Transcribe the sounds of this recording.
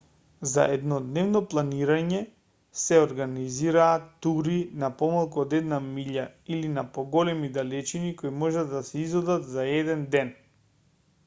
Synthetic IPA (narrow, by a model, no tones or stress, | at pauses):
za̰ʔɛd̪nɔd̪nɛvnɔplˠaniɾaɲɛ | sɛɔɾɡaniziɾaːt̪ːuɾinapɔmalˠkuɔd̪ɛd̪namiʎailinapɔɡɔlɛmid̪alɛt͡ʃinikojmɔʒad̪asɛizɔd̪at̪zaɛd̪ɛnd̪ɛn